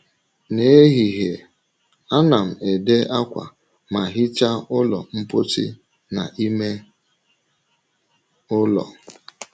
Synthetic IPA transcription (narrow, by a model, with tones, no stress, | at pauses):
ne˦e˦ɦi˨ɦe˨ | a˦na˨m̩˨e˨de˦a˦kʷa̰˨ | ma˨ɦɪ˦t͡ʃa˦ʊ˦lɔ̰˨m̩˦po˦tḭ˦ | na̰˨ʔi˦me˦ | ʊ˦lɔ̰˨